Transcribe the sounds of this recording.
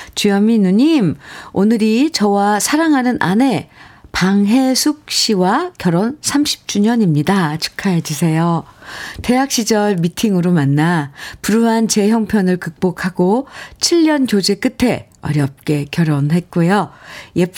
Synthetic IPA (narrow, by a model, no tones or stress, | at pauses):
t͡ɕujʌminuɲimonɯɾit͡ɕʌwasʰaɾaŋɦanɯnʔane̞paŋɦe̞sʰuk̚ɕ͈iwakjʌɾonsʰamɕʰi̥p̚t͡ɕ͈uɲʌɲimɲidat͡ɕʰu̥kʰaɦed͡ʑusʰe̞jo | te̞ɦak̚ɕ͈id͡ʑʌɭmitʰiŋɯɾomanːapuɾuɦant͡ɕe̞çjʌŋpʰjʌnɯɭkɯk̚p͈okʰaɡot͡ɕʰiʎːʌnkjod͡ʑek͈ɯtʰe̞ | ʌ̰ɾjʌp̚k͈e̞kjʌɾonɦe̞t̚k͈ujoje